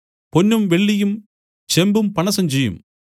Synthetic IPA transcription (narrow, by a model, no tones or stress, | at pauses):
ponːɯmʋeɭːijɯm | t͡ɕembɯmpɐɳɐsɐmt͡ʃejːɯ̰m